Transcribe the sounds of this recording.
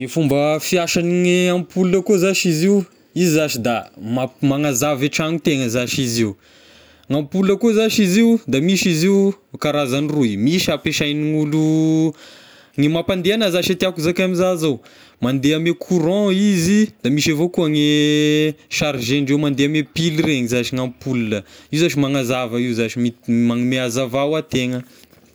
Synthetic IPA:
nifumbəfiaʃaniŋeampʰulunəkozaʃiziu | izzaʃid̪amamaŋazavaʈ͡ʂaŋit̪eŋəzaʃiziu | ŋampulunəkozaʃiziud̪amiʃiziukaɾazanirujmiʃapeʃajniŋulu | ŋemapand̪eanazaʃat̪iakuzakamizazow | mand̪eamekʰuɾɔ̃izid̪amiʃavokuəŋe | ʃaɾʒeɳɖ͡ʐewmand̪eamepilireɲizaʃiŋampulnəiuzaʃimaŋazavəiwzaʃimimaŋmeazavawat̪eŋə

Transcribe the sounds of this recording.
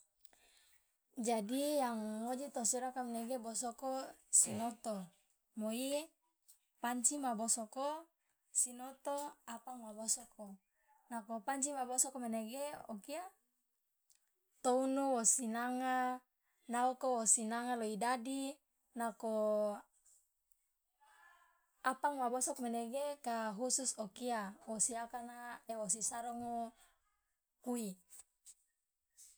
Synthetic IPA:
d͡ʒadijaŋːod͡ʒit̪osuɾakameneɡebos̬okosinot̪o | moi | paɲt͡ʃimabosoko | sinot̪oapaŋmabosoko | nakopaɲt͡ʃimabosokomeneɡeokia | t̪ounuwosinaŋa | naokowosinaŋaloidadi | nako | apaŋwabosɔkmeneɡekaɦususokiawosiakanaewos̬isaɾɔŋo | kui

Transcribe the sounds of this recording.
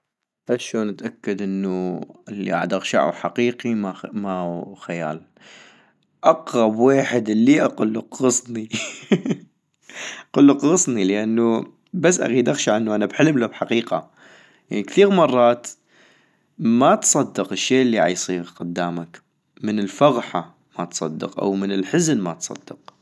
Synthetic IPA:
aʃoːnʔat̪ʔakːad̪ʔɪnːuɪlːḭʔa̰ʕad̪ʔaɣʃa̰ʕṵħaqiːqimamaxaja̰ːl | ʔɑqɾˤɑbweːħɪd̪lːiʔɑqʊlːʊqɣɨsˤni | qʊlːuqɣɨsˤniləʔanːu | bas̬ːʔa̰ɣiːd̪ʔaxʃaʕɪnːuʔanabħɪlmlabħaqiːqa | janikθiːɣmɑrˤːɑːt̪ | mat̪sˤɑd̪ːɨqɪʃːeːʔɪlːiʕa̰jsˤiːɣqʊd̪ːaːmak | mɪnɪlfɑɣħa | mat̪sˤɑ̰d̪ːɑ̰qʔa̰wmɪnɪlħɪznmat̪sˤɑ̰d̪̥ːɑq̚

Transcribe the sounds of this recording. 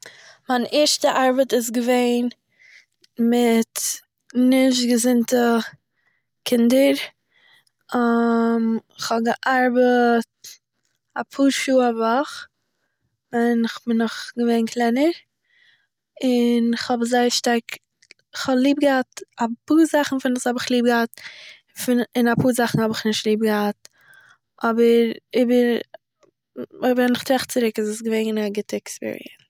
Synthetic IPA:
manʔɛːɾʃtəʔaɾbətɪs̬ɡəveɪn | mɪt | nɪʃ̬tɡəzɪntə | kʰɪndəɾ | amɪχhɔbɡəʔaɾbət̚ | apʰuːɾʃuːavaχ | vɛnɪχbɪnɔχɡəveɪnkʰlˠɛɪnəɾ | ɪnɪχhɔbzaɪəɾʃtaɾk | ɪχhɔlˠiːb̚ɡəhatapuːɾzaχn̩fɪnɪshɔbɪχlˠiːb̚ɡəhat̚ | fɪnɪnapuːɾzaχn̩hɔbɪχnɪʃtlˠiːb̚ɡəhat̚ | ʔɔbəɾibə | bɛnɪχtɾaχt͡sɪɾɪkɪzɪsɡəveɪŋnaɡɪtəɛkspḭːɾḭɛ̰ns

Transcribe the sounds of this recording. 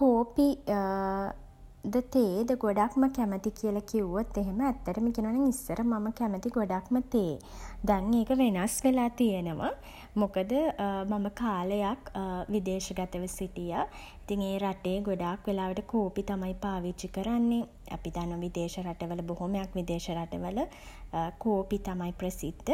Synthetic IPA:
koːpi | d̪ət̪eːd̪əɡoɖakməkæmət̪ikiəlakiuʋot̪ːeɦeməæt̪ːəʈəmikinuʋaːnaŋisːəɾəmaməkæmət̪iɡoɖakmət̪eː | d̪ɛŋeːkəʋenasʋelaːt̪ijənəʋa | mukəd̪əmaməkaːləjakʋid̪eːʃəɡat̪əʋəsiʈija | it̪iŋeːɾaʈeːɡoɖaːkʋelaːʋəʈəkoːpit̪amaipaːʋit͡ʃikəɾanːe | a̰pid̪anːəʋaʋid̪eːʃəɾaʈəʋələboɦoməjakʋid̪eːʃəɾaʈəʋələ | koːpit̪amaiprəsid̪ːə

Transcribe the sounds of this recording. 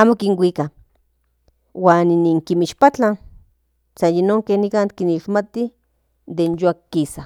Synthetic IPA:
aːmokiŋwika | waːniniŋkimiʃpat͡ɬan | sajinoŋkehnikankiniʃmat̪i | d̪enjoakːisa

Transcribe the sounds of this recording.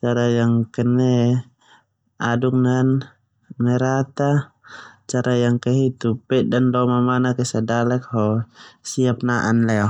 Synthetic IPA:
t͡ʃaɾajaŋkɛnɛ | aduk̚nan | mɛɾat̪a | t͡ʃaɾajaŋkɛɦit̪upɛdanlɔmamanakɛsadalɛk̚ɦɔsiap̚naʔanlɛɔ

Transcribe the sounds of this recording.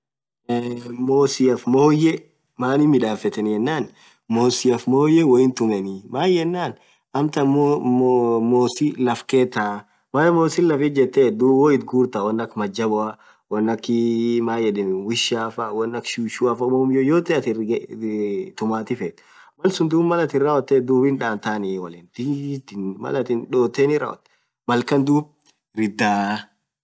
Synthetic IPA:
moːsɪɐfmoːjɛ | maːnɪmɪᶑaːfɛt̪ɛnjɛnːaːn | moːsɪɐfmoːjɛwɐɪnt̪ʊmɛnɪmaːjjɛnːaːn | ʔɐmt̪ɐm | moːsilɐfkeːt̪ːaː | maːjmoːsɪnlɐfɪt̪̚d͡ʒɛt̪ːɛːd̪uwoːɪt̪̚ɡuːɾt̪ɐwɐnːɐkmɐd͡ʒɐbɔɐ | wɐnːɐkːɪmaːjɛd̪ɪnwɪʃaːfawɐnːɐkʃuʃʊɐfɐmɔmjojoːt̪ɛɐt̪ɪ | t̪ʊmaːt̪ɪfɛːt̪ | mɐlsʊnd̪uːbmɐlɐt̪ɪnɾawɔt̪ːɛd̪uːbɪnᶑaːnt̪aːnɪwɐlɪːnd̪it̪ɪnmɐ̰lɐt̪ɪnᶑoːt̪ːeːnɪɾa̰ɔ̰t̪ː | mɐlkɐnd̪uːb | ɾɪd̪aː

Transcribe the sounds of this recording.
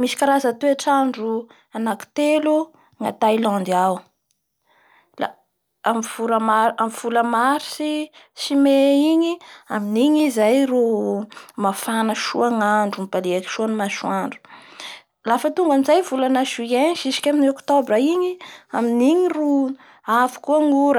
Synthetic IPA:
misi̥kaɾazat̪eaʈ͡ʂaɳɖ͡ʐu | anaki̥t̪elu | ŋa̰t̪ailɔ̃nd̪iaw | la̰ | amvuɾəmaamv̥uləmaɾi̥sisimeiɲiaminiɲizajru | mafanəʃṵaŋaɳɖ͡ʐumibaleaki̥ʃuanumaʃuaɳɖ͡ʐu̥ | lafət̪uŋɡanizajvulanaʃuenʃisi̥kʲaminiokt̪obɾəiɲiaminiɲiru | afi̥kuəŋuɾə

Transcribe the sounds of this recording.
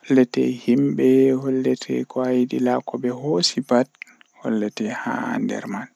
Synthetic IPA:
hɔlːɛtɛ̰himɓɛhɔlːɛtʰɛ̰kɔajidilakɔbɛhoːsibad̚ | hɔ̰lːɛtɛha̰ndɛ̰ɾman

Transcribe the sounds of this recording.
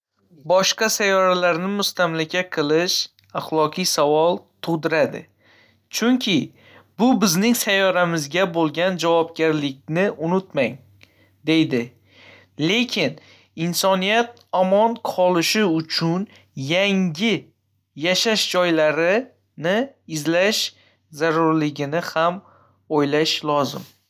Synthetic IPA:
bɒʃqɑsajɒɾalaɾnɪmʊst̪amlakʲaqʰɨlˠɪʃ | aχlˠɒqʰɨjsavɒlˠt̪ʰʊʁd̪ɪɾad̪ɪ̰ | t͡ʃʰʊŋkʲʰɪ | bʊbɪznɪŋsajɒɾamɪzɡʲabolˠɡʲand͡ʒavɒpɡʲaɾlɪk̚ʲnɪʔʊnʊt̪maŋ | d̪e̞jd̪ɪ | le̞kʲʰɪn | ɪnsɒnijat̪̚ | ɒmɒnqʰɒlˠɪʃɪʊt͡ʃʰʊn | jaŋɡʲɪ | jaʃaʃd͡ʒɒjlaɾɪ | nɪɪzlaʃ | zaɾʊɾlɪɡʲɪnɪham | ojlaʃlˠɒzɪ̰m

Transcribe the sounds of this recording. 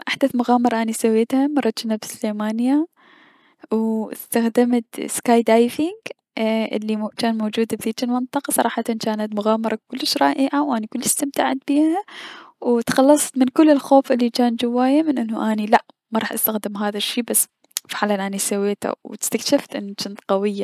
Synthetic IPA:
ʔaħd̪aθmʊɣaːmɑɾˤɑʔanisawːeːt̪hamɑrˤːɑt̪t͡ʃɪnabɪsʊleːmaːnɪja | wɪ̰st̪axd̪ɪmat̪skaːjd̪ajfɪŋɡ | ʔɪ̰lːit͡ʃaːnmoːd͡ʒuːd̪bðiːd͡ʒɪlmɪnt̪ˤɨqɑsˤɑ̰ɾˤɑːħɑt̪ant͡ʃaːnat̪mʊɣaːmɑɾˤɑkʊlːɪʃɾˤɑ̰ːʔɪʕawʔanikʊlːɪʃst̪amt̪aʕat̪̚biːhawt̪xɑlːɑsˤt̪mɪnkʊlːɪlxoːfʔɪlːit͡ʃaːnd͡ʒawːaːjamɪnʔɪnːʊʔanilaʔ | maɾˤɑːħʔast̪axd̪ɪmɦaːðaʃːiːbasː | fɪħalanʔanisawːeːt̪ʰa̰wt̪ɪ̥st̪akʃɪft̪ʔɪ̰nːt͡ʃɪnt̪qɑwɪjːa

